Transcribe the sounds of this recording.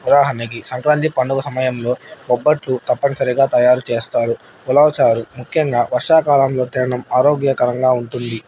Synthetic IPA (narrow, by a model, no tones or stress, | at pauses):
ud̪aːɦɐnikisɐŋkɾaːnt̪̬ipɐɳɖukɐsɐmɐjɐmlo̞ːɔbːɐʈlut̪ɐpːɐnɐsɐɾiɡaːt̪ɐjaːɾut͡ʃe̞ːst̪aːɾu | ulɐʋɐt͡ʃaːɾumukʰjɐŋɡaːʋɐɾʂaːkaːlɐmlo̞ːt̪iɾɐɳɐmaːɾo̞ːɡjɐkɐɾɐŋɡaːuɳʈund̪i